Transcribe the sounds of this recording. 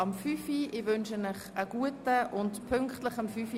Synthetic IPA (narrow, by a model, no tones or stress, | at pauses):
ɑmfyfiʔɪʋʏnʃənɪχəɡ̥uətəʔʊntpʰʏŋkχtləχəmfyfi